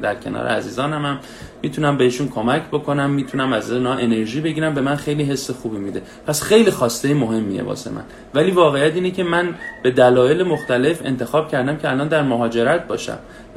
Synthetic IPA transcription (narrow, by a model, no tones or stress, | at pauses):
d̪æɾcʰenɒ̰ːɾḛæziːzɒːnæmæmː | iːt̪ʰunæmbeheʃunkʰo̞mæcʰbo̞kʰo̞næmːiːt̪ʰunæmæznɒːʔe̞ne̞ɾʒiːbe̞ɟiːɾæmbe̞mænxe̞jliːɦe̞sːe̞xuːbiːmiːd̪e̞ | pʰæsxejlixɒːst̪ejemo̞ɦe̞mːḭjḛbɒ̰ːsḛmæ̰n | væliːvɒːɣe̞jæt̪iːnecʰe̞mænb̥e̞d̪ælɒːje̞lemoxt̪æle̞fe̞̰nt̪ʰe̞xɒːb̥cʰæɾd̪æmcʰeælɒnd̪æɾmoɦɒːd͡ʒe̞ɾæt̪̚bɒːʃæ̰m